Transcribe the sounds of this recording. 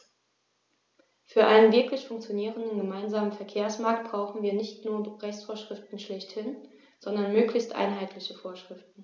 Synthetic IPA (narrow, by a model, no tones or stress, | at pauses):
fyːɐʔa̰ɪnənvɪɐklɪçfʊŋk̚t͡sjoniːʁəndən̩ɡəmaɪnzaːmənfɛɐkʰeːɐsmaɐk̚t̚b̥ʁaʊxn̩viːɐnɪçtnuːɐʁɛçt͡sfoːɐʃʁ̥ɪftn̩ʃlɛçthɪn | z̥ɔndɐnmøːklɪçstʔa̰ɪnɦaɪtlɪçəfoːɐʃʁ̥ɪftn̩